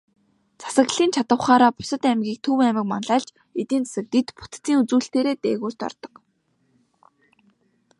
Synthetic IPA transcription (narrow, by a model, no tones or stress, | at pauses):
t͡sʰḁsə̆ɣɮiːnt͡ɕʰat̪ə̆wχaːɾaːpʊ̥sə̆t̪æmɡʲiːk̚t̪ʰɵwæmɪ̆kmanɮaːɮt͡ɕ | et̪iːnt͡sʰḁsɘ̆k̚t̪it̪pʰʊt̪t͡siːŋut͡suːɬt̪eːɾeːt̪ḛːɣuːrt̪ɔ̰rt̪ɞ̥̆q